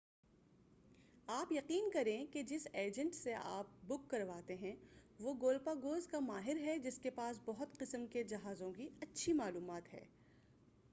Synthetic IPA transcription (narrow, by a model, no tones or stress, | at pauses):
aːpjɐqiːnkɐɾẽked͡ʒɪseːd͡ʒə̃ɳʈseʔa̰ːp̚bʊkːɐɾʋaːt̪eɦɛ̃ʋoɡoːlpaɡoːzkamaːɦɪɾɦɛd͡ʒɪskepaːs̬bɐɦʊt̪qɪsəmked͡ʒɐɦaːzõkiɐtːʃʰimaːluːmaːt̪ɦɛ̰ː